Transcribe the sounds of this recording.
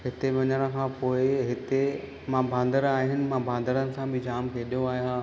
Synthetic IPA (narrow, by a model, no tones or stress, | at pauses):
ɦɪt̪eʋɐɲəɽ̃ə̃̆kʰãːpoːɪɦɪt̪e | mãbʱãːn̆d̪əɾaːɦɪnɪ̆mãbʱãːn̆d̪əɾənɪ̆sãbʱĩd͡ʑaːmkʰeːɗijoaːɦjɦãː